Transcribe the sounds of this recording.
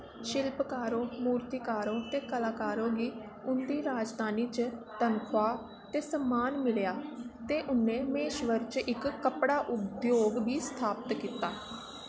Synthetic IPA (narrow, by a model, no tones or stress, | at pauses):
ʃɪlpkaːɾõːmuːɾt̪iːkaːɾõːt̪eːkəlaːkaːɾõːɡiː | ʊnd̪iːɾaːd͡ʒd̪ʱaːniːt͡ʃt̪ənkʰʊwaː | t̪eːsəmːaːnmɪljaːt̪eːʔʊnẽːmeːʃʋəɾt͡ʃɪkːəpɽaːʔʊd̪joːɡbʱiːst̪ʰaːpət̪kiːt̪aː